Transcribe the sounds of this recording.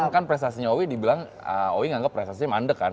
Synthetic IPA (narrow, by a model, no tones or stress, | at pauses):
ŋkanpɾɛs̬t̪asiɲaowidibilaŋ | ə̰owɪŋaŋɡapːɾest̪asiɲamandəkan